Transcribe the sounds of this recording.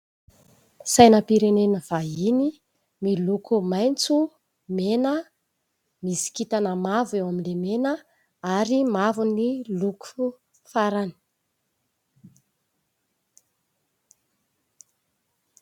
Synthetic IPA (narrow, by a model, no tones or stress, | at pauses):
sajnəpiɾenenəv̥aini | milukumajnt͡su | menə | misi̥kit̪anəmavewaminlemenə | aɾimavuniluku̥fu | faɾani̥